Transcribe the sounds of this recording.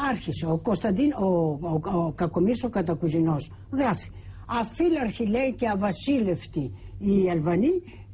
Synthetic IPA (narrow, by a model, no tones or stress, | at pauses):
aɾçiseokost̪ɐd̪ino | kakomisokɐt̪ɐkuzinos | ɣɾaθi̥ | ɐfilɐɾçilejceɐvɐsileft̪iːalvɐni